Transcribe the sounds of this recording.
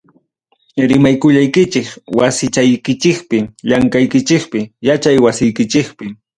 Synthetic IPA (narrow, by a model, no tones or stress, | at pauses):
ɾɪmajkʊʎajkɪt͡ʃɪkwasɪt͡ʃajkɪt͡ʃɪkpɪʎaŋkajkɪt͡ʃɪkpɪjat͡ʃajwasɪjkɪt͡ʃɪkpɪ